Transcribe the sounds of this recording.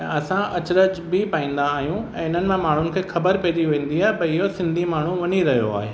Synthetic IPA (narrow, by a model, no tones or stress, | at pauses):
ɛ̰̃ɐsãɐt͡ɕɾəd͡ʑbɪpaːĩːn̆d̪aːɦijũɛ̃ːɪn̤ənɪ̆mãmaːɳ̤ʊnɪ̆kʰeːxɐbəɾpɐːd͡ʑiʋẽːn̆d̪iaːɦepɐɪɦosɪ̃nd̪ʱimaːɳ̤ũʋɐɲiɾɐɦijo̰a̰ːɦeː